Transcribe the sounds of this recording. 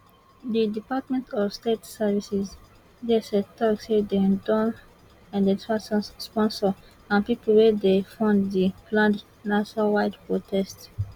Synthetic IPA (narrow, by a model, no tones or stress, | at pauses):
didipatmɛ̃ntʰɔvstetsɛvisis | dɛsɛtʰɔksidɛdɔ̃n | ãndətasɔ̃nspɔ̃nsɔ | ãnpipəlwɛdefãndðiplãnd | naʃnawaɪdpɹotʰɛst